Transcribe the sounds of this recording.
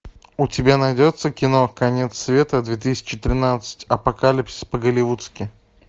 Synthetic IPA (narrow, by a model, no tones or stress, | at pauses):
ʊtʲɪbʲanɐjdʲot̪səkʲɪno̞kɐnʲet̪sːvʲe̞t̪əd̪vʲet̪̬ɨsʲɪ̥t͡ɕɪt̪ɾʲɪnat̪sɨ̥tʲɐpɐkalʲɪpsʲɪ̥spəɡəlʲɪvut̪skʲɪ